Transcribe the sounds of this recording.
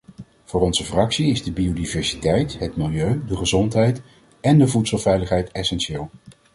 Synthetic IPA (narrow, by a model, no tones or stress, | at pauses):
v̥ʊːrɔnzəfrɑksiɪzdəbiodivɛɹsi̥tɛjtɦətmɪlˠjøɥdəχəzɔntɦɛjt | ɛndəvutsəlˠvɛjləχɦɛjtɛsɛnʃɪːlˠ